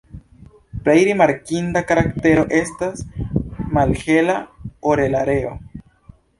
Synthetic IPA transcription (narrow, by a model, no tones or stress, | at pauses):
plejɾimaɾkindakaɾakte̞ɾo̞ʔe̞stas | malhe̞laoɾe̞laɾe̞o̞̰